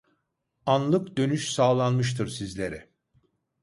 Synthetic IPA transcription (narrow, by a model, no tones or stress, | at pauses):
anlˠɯkd̪ø̞nyʃsaːlˠanmɯʃ̬t̪ʰɯɾsizlʲe̞ɾɪ